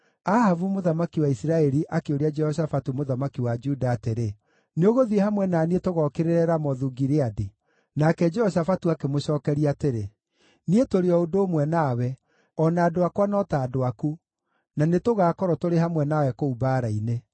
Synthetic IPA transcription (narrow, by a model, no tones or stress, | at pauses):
ahavumoðamakiwaisiɾaɛɾiʔakeoɾead͡ʒɛhɔɕ̬afatumoðamakiwad͡ʒudaːteɾe | neoɣoðiehamwɛnaːnietoɣɔkeɾeɾɛɾamɔðuɡiɾeade | nakɛd͡ʒɛhɔʃ̬afatuakemoɕɔːkɛɾiateɾe | nietoɾeɔodoːmwɛnaːwɛ | ɔnaːdoakwanɔtaːdoaku | nanetoɣaːkɔɾɔtoɾeɦamwɛnawɛkoubaːɾaine